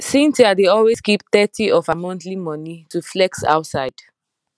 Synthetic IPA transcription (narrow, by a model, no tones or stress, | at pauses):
sĩntiadeɔlweskip̚θɛtiʔɔvamɔ̃nθlimɔ̃nituflɛksa̰ʊtsaɪd̥